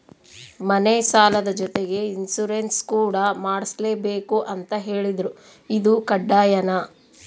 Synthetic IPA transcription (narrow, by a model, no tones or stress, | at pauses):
mɐnesaːlɐd̪ɐd͡ʒɔt̪eɡe̞insuɾenskuːɽɐmaːɽisle̞ːbe̞ːkuʔɐnt̪ɐɦe̞ːɭid̪ɾu | id̪ukɐɖːaːjɐnɐ